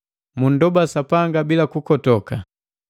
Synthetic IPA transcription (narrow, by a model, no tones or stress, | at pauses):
mun̩dɔbasapaŋɡabilakukɔtɔka